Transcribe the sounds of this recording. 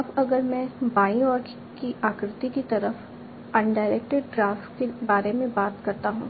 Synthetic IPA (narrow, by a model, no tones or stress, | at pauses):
ɐbɐɡəɾmɛ̃baːiɔːɾk | kiʔaːkɾɪt̪ikit̪ɐɾəf | ɐ̃ɳɖaːɪɾeːk̚ʈeɖɖɾaːfʈkebaːɾemẽbaːt̪kɐɾt̪aɦũː